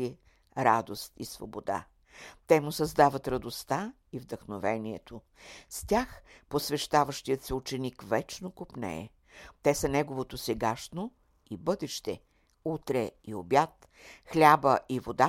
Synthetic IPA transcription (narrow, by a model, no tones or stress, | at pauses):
iɛ | ɾad̪ost̪isvo̰bod̪a̰ | t̪ɛmʊsɐzd̪avɐt̪ɾɐd̪ost̪a | ivd̪əxnovɛniɛ̰t̪ʰo | st̪ʲaxposvɛʃt̪avəʃt̪ijət̪sɛut͡ʃɛnikvɛt͡ʃnokopnɛ̰ɛ̰ | t̪ɛsənɛɡovot̪osɛɡaʃno | ibɤd̪ɛʃt̪ɛ̰ | ut̪ɾɛiobjat̪ | xlʲabəʔivod̪a